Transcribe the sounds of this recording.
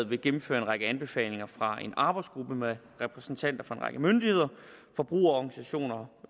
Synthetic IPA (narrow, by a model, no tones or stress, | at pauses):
ð̩ˠʋe̝ɡ̥emm̩føːɐe̝nʁɑ̈ɡ̥əænb̥e̝fɛ̰ːle̝ŋɐfʁɑ̈e̝nɑ̈ːb̥ɑ̈ɪdsɡ̥ʁub̥əme | ʁɛpʰʁɛsn̩t͡sʰæn̰d̥ɐfɑ̈e̝nʁɑ̈ɡ̥əmønd̥ihe̝ð̞̰ˠɐfɒ̽b̥ʁṵːɐɒɡ̥nisæɕo̝̰ːnɐ